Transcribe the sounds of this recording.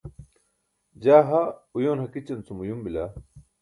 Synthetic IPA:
d͡ʑaːɦaujoːnhɐkit͡ɕɐnt͡sumujumbilaː

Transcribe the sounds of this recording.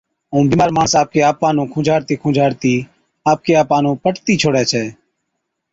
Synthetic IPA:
ũːbiːmaːɾmãːɳsaːp̚keːaːpãːnũːkʰʊ̃ːd͡ʒʱaːɾt̪iːkʰʊ̃ːd͡ʒʱaːɾt̪iː | aːp̚keːaːpãːnũːpəʈt̪iːt͡ʃʰoːɽɛːt͡ʃʰɛː

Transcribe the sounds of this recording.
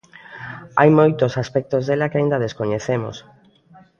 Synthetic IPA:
ajmojt̪osaspɛk̚t̪ozðelakɪaĩnd̪ɐð̞eskoɲeθemo̰s

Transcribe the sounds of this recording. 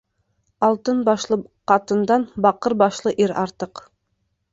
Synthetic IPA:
ɑlˠt̪ɤnbɑʃlˠɤqɑt̪ə̆nd̪ɑnbɑqɤɾbɑʃlˠɤʔiɾɑɾt̪ɤq

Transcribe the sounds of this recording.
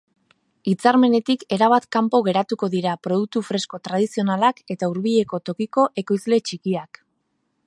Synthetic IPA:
it͡saɾme̞ne̞t̪ike̞ɾaβ̞at̪kampo̞ɣ̞e̞ɾat̪uko̞ðiɾapɾo̞ð̞uk̚t̪ufɾe̞sko̞t̪ɾaðisio̞nalake̞t̪auɾβiʎe̞ko̞t̪o̞kiko̞ʔe̞ko̞jzle̞t͡ʃikiak

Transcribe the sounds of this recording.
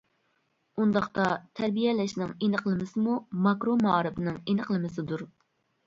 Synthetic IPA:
und̪ɑχt̪ɑt̪ʰæɾbijɛlɪʃnɪŋenəqlˠɨmɪsɪmumɑkɾomɑːɾɨpnɨŋenəqlˠɨmɪsɪd̪uɾ

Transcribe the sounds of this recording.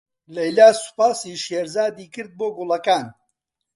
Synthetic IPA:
lɛjlaːsu̥paːsiːʃeɾzaːd̪iːkɨɾd̪̚boːɡʊlˠɐkaːn

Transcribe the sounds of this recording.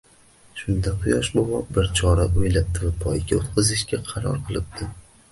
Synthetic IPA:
ʃʊnd̪aqʰʊjɒʃbɒwɒp̚bɪɾt͡ʃʰɒɾaojlap̚t̪ʰɪvapʰɒjɡʲaot̪qʰɨzɪʃɡʲaqʰɑɾɒ̰ɾqʰɨlˠɪp̚d̪ʰɪ

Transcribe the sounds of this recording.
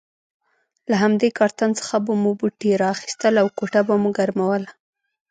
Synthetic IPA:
laɦamd̪ekɑɾt̪ant͡sə̥xabamubuʈeɾaːxi̥st̪əlawkoʈabamuɡaɾmawəla

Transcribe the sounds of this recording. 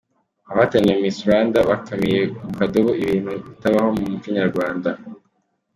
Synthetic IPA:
aβatanemmisuɾaːndaβakamije̞umukadoβoiβiːn̥huβitaβaho̞mumut͡ʃiɲaɾɡwaːnda

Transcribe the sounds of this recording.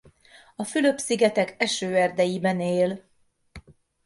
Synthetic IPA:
ɒfylø̞psiɡɛt̪ɛkɛʃøːɛrd̪ɛjibɛneːl

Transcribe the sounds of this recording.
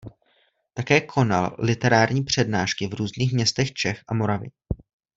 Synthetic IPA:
t̪akɛːkʰo̞na̰llɪt̪ɛɾaːɾɲiːpr̝̥ɛdnaːʃkɪvɾuːzniːxmɲɛst̪ɛxt͡ʃɛxʔamo̞ɾavɪ̰

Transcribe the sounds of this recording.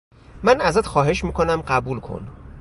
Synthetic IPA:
mænæzæt̪xɒːɦe̞ʃmiːkʰo̞næmɢæbuːlkʰo̞̰n

